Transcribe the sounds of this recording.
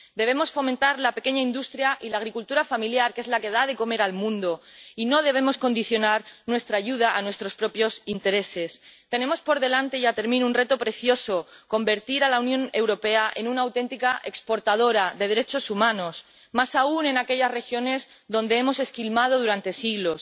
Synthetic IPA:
d̪e̞βe̞mo̞sfo̞mẽnt̪aɾlape̞ke̞ɲaind̪ust̪ɾjaʔilaːɣ̞ɾikult̪uɾafamiljaɾke̞zlake̞ð̞aðe̞ko̞me̞ɾalmũnd̪oino̞ð̞e̞β̞e̞mo̞sko̞nd̪iθjo̞naɾnwe̞st̪ɾaːʝuð̞aʔanwest̪ɾo̞spɾo̞pjo̞sint̪e̞ɾe̞se̞st̪e̞ne̞mo̞spo̞ɾðe̞lant̪e̞jat̪e̞ɾmĩnounre̞t̪opɾe̞θjo̞so̞ko̞mbe̞ɾt̪iɾalaunjõ̞ne̞wɾo̞pe̞aʔe̞nunaːwt̪e̞nt̪ikaʔe̞kspo̞ɾt̪að̞o̞ɾaðe̞ð̞eɾe̞t͡ʃo̞sumãno̞s | masaune̞nake̞ʎasre̞xjo̞ne̞z | ðõ̞nd̪e̞emo̞se̞skilmað̞o̞ð̞uɾant̪e̞siɣlo̞s

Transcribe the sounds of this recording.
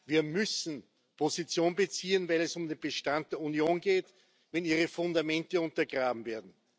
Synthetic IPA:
viːɐmʏsn̩ | pʰozit͡sjoːnbət͡siːənvɛɪlɛsʊmdeːnbəʃtant̚d̥eːɐunjoːnɡeːt | vɛniːʁəfʊndamɛntəʊ̃ntɐɡʁaːbm̩veːɐdn̩

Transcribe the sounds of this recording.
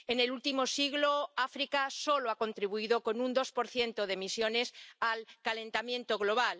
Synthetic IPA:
ene̞lult̪imo̞siɣlo̞afɾikaso̞loako̞nt̪ɾiβuiðo̞ko̞nund̪o̞spo̞ɾθje̞nt̪o̞ð̞e̞misjo̞ne̞salkalẽ̞nt̪amjẽ̞nt̪o̞ɣ̞lo̞β̞al

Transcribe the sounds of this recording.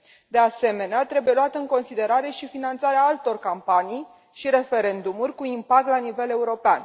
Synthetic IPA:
d̪e̞ase̞me̞neat̪ɾe̞buje̞luat̪əɨŋko̞nsid̪e̞ɾaɾe̞ʃifinant̪saɾeaalt̪o̞rkampanij | ʃiɾe̞fe̞ɾe̞nd̪umurʲkuimpak̚t̪lanive̞le̞uɾo̞pea̰n

